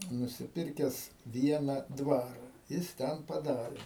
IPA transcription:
nʊsʲɪˈpʲɪrʲkʲɛs ˈʋʲiɛnɐ ˈdʋɑːrɐ ˈjɪs ˈtʲɛn pɐˈdɑːrʲeː

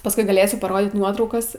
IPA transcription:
pɐsˈkʊɪ ɡɐˈlʲeːsʲʊ pɐˈroːdʲiːt ˈnuɔtrɐʊkɐs

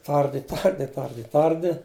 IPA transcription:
ˈtɐrʲdʲɪ ˈtɐrʲdʲɪ ˈtɐrʲdʲɪ ˈtɐrʲdʲɪ

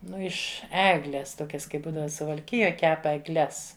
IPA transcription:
ˈnʊ ɪʃ ˈæːɡlʲeːs ˈtoːkʲɛs ˈkɐɪp ˈbuːdɐʋɐ sʊʋɐlʲˈkʲɪjoːj ˈkʲɛp ɛɡˈlʲɛs

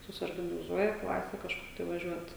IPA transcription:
sʊsʲoːrɡɐnʲɪˈzuɔjɛ ˈklˠɑːsʲɛ kɐʃˈkʊr tɐɪ ʋɐˈʒʲuɔt

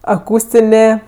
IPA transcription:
ɐˈkuːsʲtʲɪnʲeː

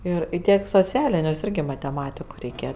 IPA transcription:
ˈɪr ɪ ˈtʲiɛk ɪ soːˈt͡sʲæːlʲɪnʲʊsʲˈɪrʲɡʲɪ mɐtʲɛˈmɑːtʲɪkʊ rʲɛɪˈkʲeːjɛ

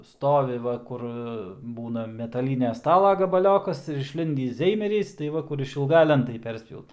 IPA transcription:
ˈstoːʋʲɪ ˈʋɐ ˈkʊr ˈbuːnɐ mʲɛtɐˈlʲiːnʲɛ ˈstɑːlˠɐ ɡɐbɐˈlʲoːkɐs ɪr ɪʃʲˈlʲɪnʲdʲiːs ˈzʲɛɪmʲɛrʲiːs tɐɪ ˈʋɐ kʊr ɪʃʲɪlˠˈɡɐ ˈlʲɛntɐɪ ˈpʲɛrʲsʲpʲjɛʊt

